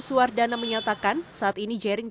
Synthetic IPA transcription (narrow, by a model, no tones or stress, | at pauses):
suardanaməɲat̪akansaʔat̪inid͡ʒɛɾɪŋ